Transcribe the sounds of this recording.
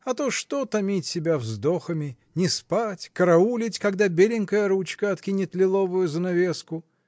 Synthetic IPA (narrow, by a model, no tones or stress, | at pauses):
ɐt̪oʂt̪ot̪ɐmʲitʲsʲɪbʲavzd̪oxəmʲɪ | nʲɪspatʲkəɾɐulʲɪtʲkɐɡd̪abʲelʲɪnʲkəjəɾut͡ɕkəɐt̪kʲinʲɪt̪lʲɪlˠovʊjʊzənɐvʲeskʊ